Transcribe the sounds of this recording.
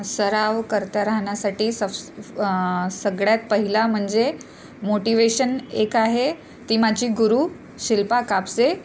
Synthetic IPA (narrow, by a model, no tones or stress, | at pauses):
səɾaʋkəɾt̪aɾaɦɳjasaʈiːsəf | səɡɽjat̪̚pəɦilam̤əɳd͡ze | moʈiʋeɕənekaɦe | t̪iːmad͡ʑiːɡuɾuː | ɕilpakapse